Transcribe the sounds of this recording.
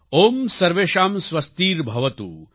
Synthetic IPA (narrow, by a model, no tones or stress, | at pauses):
oːmsɐɾʋeːʃaːmsʋɐst̪iːɾbʱɐʋɐt̪ṵː